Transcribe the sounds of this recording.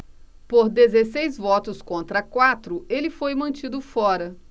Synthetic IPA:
poɾd̪ezesejzvɔt̪ʊskõnt̪ɾɐkwat̪ɾʊelɪfojmɐ̃nt͡ʃid̪ʊfɔɾɐ

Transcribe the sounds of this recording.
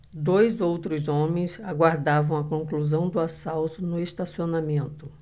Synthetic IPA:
d̪ojzowt̪ɾʊzõmẽj̃zaɡwaɾd̪avɐ̃w̃ɐkõŋkluzɐ̃w̃d̪ʊasawt̪ʊnʊest̪asionamẽnt̪ʊ

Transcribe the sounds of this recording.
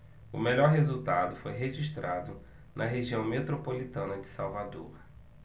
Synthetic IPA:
ʊ̰meʎɔɾɦezut̪ad̪ʊfojɦeʒiʃt̪ɾad̪ʊ | nʔɐɦeʒiɐ̃w̃met̪ɾopolit̪ɐ̃nɐd͡ʒɪsawvad̪o̰ɾ

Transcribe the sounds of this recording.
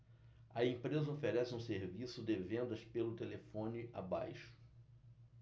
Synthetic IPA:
ɐẽpɾezɐofeɾɛsɪũseɾvisʊd̪ɪvẽnd̪ɐspelʊt̪elefõnɪʔa̰ba̰jʃʊ̥

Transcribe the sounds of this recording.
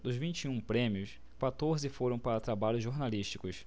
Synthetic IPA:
d̪ʊzvĩnt͡ʃiũpɾẽmiʊs | kwat̪oɾzɪfoɾɐ̃w̃paɾɐt̪ɾabaʎʊzʒoɾnaliʃt͡ʃikʊs

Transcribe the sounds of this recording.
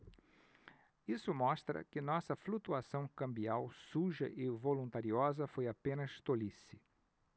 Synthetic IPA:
isʊmɔst̪ɾɐ̰kɪnɔsɐflut̪uasɐ̃w̃kɐ̃mbiawsuʒɐ̰ʔɪvolũnt̪aɾiɔzɐfojapẽnɐst̪olisɪ

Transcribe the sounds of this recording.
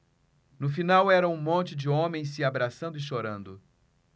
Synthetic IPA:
nʊfinawɛɾɐũmõnt͡ʃɪd͡ʒɪõmẽj̃s̬ɪabɾasɐ̃nd̪ʊɪʃoɾɐ̃nd̪ʊ

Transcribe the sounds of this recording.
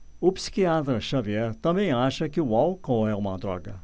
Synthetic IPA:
ʊpsi̥kiat̪ɾɐʃaviɛɾt̪ɐ̃mbẽj̃aʃɐkɪualkõɛũmɐd̪ɾɔ̰ɡɐ̰

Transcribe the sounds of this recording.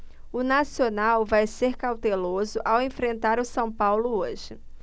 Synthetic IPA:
ʊnasionawvajseɾkawt̪elozʊʔawẽfɾẽnt̪aɾʊsɐ̃w̃pawlʊoʒɪ

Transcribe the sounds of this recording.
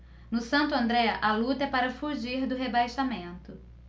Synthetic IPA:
nʊsɐ̃nt̪ʊɐ̃nd̪ɾɛɐʔɐlut̪ɐɛpaɾɐfuʒiɾd̪ʊɦebajʃamẽnt̪ʊ

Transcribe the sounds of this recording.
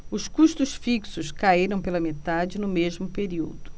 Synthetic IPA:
ʊskuʃt̪ʊsfiksʊskaiɾɐ̃w̃pelɐmet̪ad͡ʒɪnʊmezmʊpeɾiwd̪ʊ

